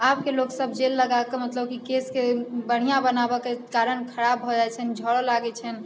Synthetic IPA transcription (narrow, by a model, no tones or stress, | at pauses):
apkeloksəbʱd͡ʒelːəɡakemət̪ləb̚kikeskebəɽ̤̃ijabənabɔkekaɾəɳkʰəɽabʱɦod͡ʒat͡ʃʰənd͡ʒʱɔɽɔlaɡɛt͡ʃʰən